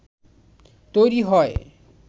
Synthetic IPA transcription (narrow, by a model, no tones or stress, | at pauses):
t̪ojɾiɦɔe